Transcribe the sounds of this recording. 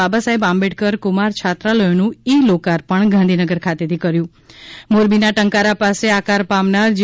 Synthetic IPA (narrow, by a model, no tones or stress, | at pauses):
abasaebãmbeʈ̚kəɾkʊmaɾt͡ʃʰat̪ɾaləjonũilokaɾpəɳɡãnd̪ʱinəɡəɾkʰat̪et̪ʰikəɾjũ | moɾbinaʈəŋkaɾapaseakaɾpamnaɾd͡ʒ